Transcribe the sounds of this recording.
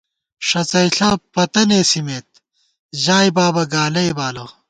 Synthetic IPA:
ʂɐt͡sɐjɬɐpɐt̪ɐneːsimeːt̪̚ | ʑaːjbaːbɐɡaːlɐjbaːlo

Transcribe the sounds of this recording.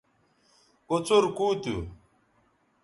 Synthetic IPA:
kot͡soɾkuːt̪u

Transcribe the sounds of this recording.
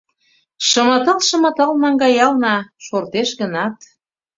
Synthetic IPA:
ʃəmət̪ɤlʃə̆mə̆t̪əlnɑŋɡɑjɑlnɑʃort̪eʃɣənɑt̪

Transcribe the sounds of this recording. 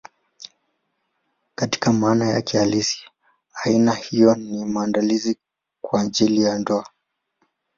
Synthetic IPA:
kati̥kamaːnaja̰kɛalisi̥ | ainahijɔnimaːndalizi | kwad͡ʒilijandɔa

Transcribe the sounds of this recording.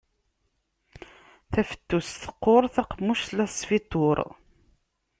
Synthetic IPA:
θæfə̥t̪ːusθə̥qːoɾˤθæqmːuʃlæsfit̪ˤoɾˤ

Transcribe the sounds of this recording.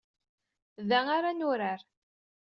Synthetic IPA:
ðæaɾanʊɾaɾ

